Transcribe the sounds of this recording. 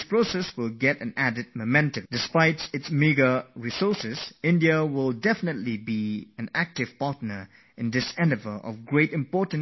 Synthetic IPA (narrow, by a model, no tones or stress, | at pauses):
spɹosɛswɪlˠɡɛtɨ̃nædɨd̚məmɛ̃ntə̃md̥ɨspaɪtsɪtsmiɡəɹisɔsɪz̥ɪ̃ndiəwɪlˠdɛfɪnətˡlibiɨ̃næk̚tɪv̥patnə˞ | ʔɪ̃nd̪ɪsɛ̃nɨvəlʔɔ̰vɡɹeɪtɪ̃mpɔtn̩